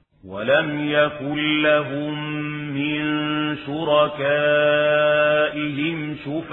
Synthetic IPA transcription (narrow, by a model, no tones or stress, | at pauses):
walamjakʊnːaɦʊmːɪnʃʊɾɑkaː | ʔɪɦɪmʃʊf